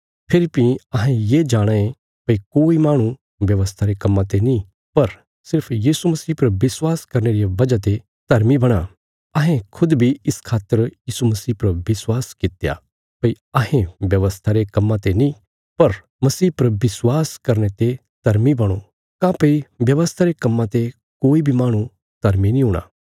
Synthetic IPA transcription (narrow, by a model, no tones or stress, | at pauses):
pʰɪɾipĩɐɦẽjed͡ʒaːɽ̃aẽ | pɐikoːimaːɽ̃ũ | ʋjɐʋəst̪ʰaɾekɐmːãt̪enĩ | pɐɾ | sɪɾpʰjiːsumɐsiːpɐɾbɪswaːskɐɾneːɾijaʋɐd͡ʒat̪̬e | t̪ɐɾmibɐɽ̃a | ɐɦẽkʰʊd̪bʱiɪskʰaːt̪ːəɾjiːsumɐsiːpɐɾbɪswaːskɪt̪eja̰ː | pɐi | ɐɦẽʋjɐʋəst̪ʰaɾekɐmːãt̪enĩ | pɐɾ | mɐsiːpɐɾbɪswaːskɐɾnet̪e | t̪ɐɾmibɐɽ̃o | kãpɐiʋjɐʋəst̪ʰaɾekɐmːãt̪e | koːibʱimaːɽ̃ũ | t̪ɐɾminĩɦuːɽ̃a̰ː